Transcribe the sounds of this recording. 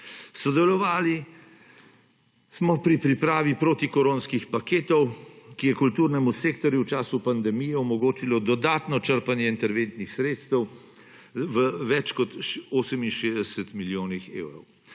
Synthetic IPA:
sɔd̪ɛlɔʋaːli | smɔpɾipɾipɾaːʋipɾoːt̪ikɔɾoːnskixpakeːt̪ɔwkijɛkult̪uːɾnɛmuseːkt̪ɔɾjuwt͡ʃaːsupand̪ɛmijɛɔmɔɡoːt͡ʃilɔd̪ɔd̪aːt̪nɔt͡ʃəɾpanjɛint̪ɛɾʋẽnt̪nixsɾeːt̪st̪əw | ʋəʋɛt͡ʃkɔt̪ʃoːsɛminʃeːzd̪ɛsɛt̪miljoːnixḛːwɾɔw

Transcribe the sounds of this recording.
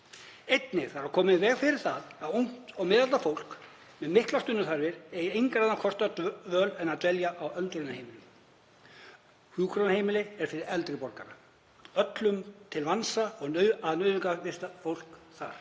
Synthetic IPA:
ejt̪nɪɾ̥θaɾakʰɔːmɪðvɛːɣfɪɾɪɾ̥θaðaðuŋ̥t̪ɔɣmɪːðalt̪afowl̥k | mɛðmɪhklast̪ʏnːʏθaɾvɪɾejɪejŋkɾaðnakʰɔst̪œt̪vœːlɛnːaðt̪vɛljaʔawœlt̪ɾejnahejmɪlɪ | huːkʰɾɔnaheːjmɪlɪɛɾ̥fɪɾɪɾɛlt̪ɾɪpɔɾka̰ɾa | œt̪lʏmt̪ʰɪlvansaɔɣnœaðnœɥðʏŋkavɪst̪afowl̥kθa̰ɾ̥

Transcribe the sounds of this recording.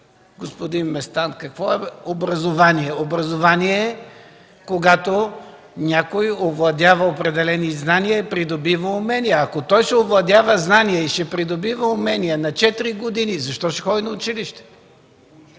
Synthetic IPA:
ɡospod̪inmɛst̪ankɐkvɔɛobɾɐzovaniɛobɾɐzovaniɛ | koɡat̪o | nʲakojovlˠɐd̪ʲjavɐopɾɛd̪ɛlɛniznanijəpɾid̪obivəʊmɛnijɐːkot̪ɔjʃɛovlˠɐd̪ʲavəznaniəiʃɛpɾid̪obivəʊmɛnijənɐt͡ʃɛt̪iɾiɡod̪inizɐʃt̪ɔʃɛ̥xɔd̪inɐʊt͡ʃiliʃt̪ɛ̥

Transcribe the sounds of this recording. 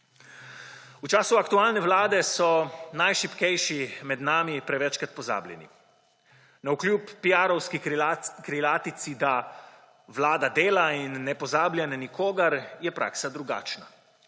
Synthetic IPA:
ut͡ʃaːsuakt̪uaːlnɛʋlaːd̪ɛsɔnajʃipkɛjʃimɛd̪naːmipɾɛʋɛt͡ʃkat̪̚pɔza̰ːblʲjɛ̰nḭ | naukljuːpːiaːɾɔwskikɾilaːt̪it̪sid̪a | ʋlaːd̪ad̪eːlainːɛpɔzaːblʲjɛnanikoːɡaɾjɛpɾʔa̰ːksad̪ɾuɡa̰ːt͡ʃna

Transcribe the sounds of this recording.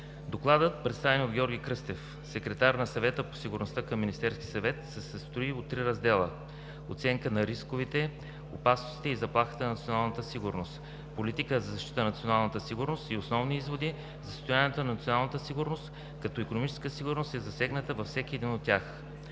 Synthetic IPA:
d̪oklˠad̪ət̪̚pɾɛt̪st̪avɛniod̪ɡʲɔɾɡʲikɾɤst̪ɛf | sɛkɾɛt̪aɾnɐsɐvɛt̪əpo̥siɡʊɾnost̪akəmːinist̪ɛɾskʲisɐvɛt̪sɛsəst̪ɾoiot̪ːɾiɾɐzd̪ɛlˠə̰ | ot̪sɛŋkənɐɾiskʊvit̪ɛ | o̰pasnosi̥t̪ɛizɐplˠaxə̥t̪ənɐnt̪sionalˠnət̪əsiɡʊɾnost̪ | polit̪ikəzɐzɐʃt̪it̪ənnt̪sionalˠnət̪əsiɡʊɾnost̪iosnɔvniizvod̪i | zɐst̪ʊjanʲiɛt̪onɐnɐt̪sionalˠnət̪əsiɡʊɾnost̪ | kɐt̪ɔikonʊmit͡ʃɛ̥skəsiɡʊɾnost̪ɛzɐsɛɡnət̪əvɐfsɛk̟iɛd̪inot̪ːʲjax

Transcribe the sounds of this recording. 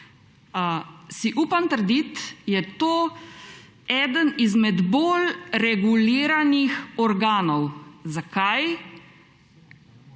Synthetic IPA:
siʔuːpamt̪əɾd̪it̪jɛt̪oː | ɛd̪ənizmɛd̪bolɾɛɡuliːɾanixɔɾɡaːnɔwzakaj

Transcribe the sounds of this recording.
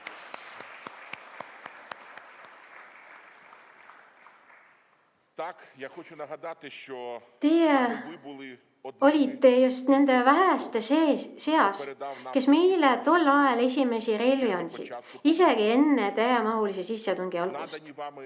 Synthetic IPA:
t̪e̞je | o̞lʲit̪ːe̞just̪ne̞nd̪̥e̞væɦæst̪esese̞ɑske̞sme̞jlet̪o̞lːɑele̞sʲime̞siɾelvionʲsḭd̪̥ | ise̞ɡie̞nːet̪æjemɑɦulisesisːet̪uŋɡ̥iɑlɡ̥ust̪

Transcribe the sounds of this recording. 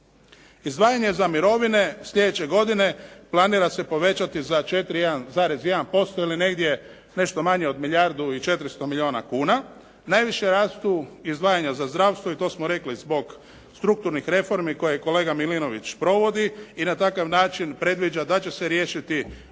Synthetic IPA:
izd̪ʋaːjaɲe̞zamiɾo̞ʋine̞sʎʲe̞d̪et͡ɕe̞ɡo̞d̪ine̞plˠaniːɾase̞po̞ʋe̞t͡ɕat̪izat͡ʃe̞t̪ɾijed̪anzaːɾe̞zjed̪anpo̞st̪oiline̞ɡd̪je̞ | ne̞ʃt̪o̞maɲeo̞d̪miʎʲaɾd̪uit͡ʃe̞t̪ɾist̪o̞miʎʲio̞ːnakuːna | najʋiʃjeɾaːst̪uizd̪ʋaːjaɲazazd̪ɾaːʋst̪ʋoit̪o̞smoɾe̞klizbo̞ɡ | st̪ɾuk̚t̪uɾnixɾe̞fo̞ɾmiko̞jeko̞leːɡamilino̞ʋit͡ʃpɾo̞ʋo̞d̪iinat̪akaʋnaːt͡ʃinpɾe̞d̪ʋid͡ʒad̪at͡ɕe̞se̞ɾje̞ːʃit̪i

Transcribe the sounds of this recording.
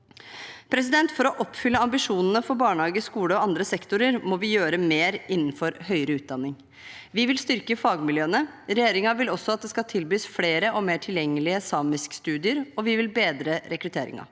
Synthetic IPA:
pʰɾɛs̬ɪd̪ɛnt̪fɔɾɔʔɔpːfʏlːəɑmbɪʂuːnənəfɔɾbɑːɳhɑːɡəskuːləɔɑnd̪ɾəsɛkt̪ʊɾəɾmɔʋɪjøːɾəmeːɾɪnːn̩fɔɾhœʏəɾəʉːt̪̚d̪ɑnːɪŋ | ʋɪʋɪlst̪ʏɾkəfɑːɡmɪljøːənə | ɾɛjeːɾɪŋɑʋɪlɔsːɔɑt̪̚d̪ɛskɑlt̪ʰɪlbyːsfleːɾəʔɔmeːʈʰɪljɛŋːəlɪəsɑːmɪskst̪ʉːd̪ɪəɾɔʋɪʋɪlbeːd̪ɾəɾɛkɾʉt̪ʰeːɾɪ̰ŋɑ̰

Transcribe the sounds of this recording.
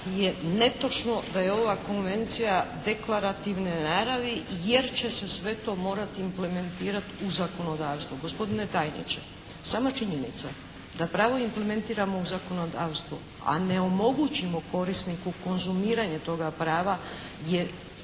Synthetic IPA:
je̞ne̞t̪o̞t͡ʃno̞d̪aje̞o̞ʋako̞nʋe̞nt̪sijad̪e̞klaɾat̪iʋnenaɾaʋije̞ɾt͡ɕe̞se̞sʋe̞t̪o̞ːmo̞ːɾat̪iːmple̞me̞nt̪iːɾat̪uzako̞no̞d̪aːwst̪ʋuɡo̞spo̞d̪ine̞t̪aːjnḭt͡ʃe̞ | saːmat͡ʃiɲenit̪sa | d̪apɾaːʋo̞imple̞me̞nt̪iːɾamo̞uzako̞no̞d̪aːwst̪ʋu | a̰ne̞o̞mo̞ɡut͡ɕimo̞ko̞ɾisnikuko̞nzumiːɾaɲet̪o̞ɡapɾaːʋajeɾ

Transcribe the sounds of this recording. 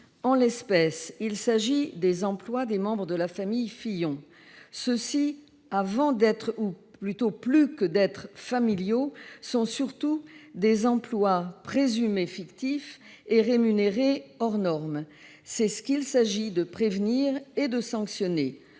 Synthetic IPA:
ɑ̃lɛspɛsilsaʒid̪ezɑ̃plwad̪emɑ̃bʁəd̪əlafamijfijɔ̃ | səsi | avɑ̃d̪ɛt̪χuplyt̪oplykəd̪ɛt̪χfamiljosɔ̃syʁt̪ud̪ezɑ̃plwapχezymefikt̪if | eʁemyneʁeɔʁnɔʁm | sɛsə̥kʲilsaʒid̪əpχevniʁed̪əsɑ̃ksjɔne

